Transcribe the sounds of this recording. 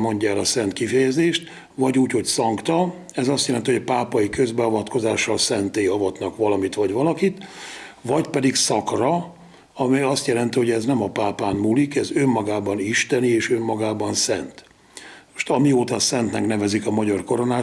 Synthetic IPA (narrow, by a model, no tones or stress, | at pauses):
mo̞ɲɟaɛlɒsɛnt̪kifɛjɛzeːʃt̪ | vɒɟuːcho̞csɒŋkt̪ɒ | ɛzɒst̪jɛlɛnt̪ihoɒpaːpɒjikø̞zbɛɒvɒt̪ko̞zaːʃːɒlsɛnt̪eːɒvɒt̪nɒkʋɒlɒmit̪ʋɒɟʋɒlɒkit̪vɒɟpɛd̪iksɒkrɒ | ɒmiɒst̪jɛlɛnt̪iho̞ɟɛznɛmɒpaːpaːnmuːlikɛzømːɒɡaːbɒniʃt̪ɛnieːʃø̞mːɒɡaːbɒnsɛnt̪ | mo̥ʃt̪ɒmioːt̪ɒsɛnt̪nɛknɛvɛzikɒmɒɟɒrko̞ɾo̞naː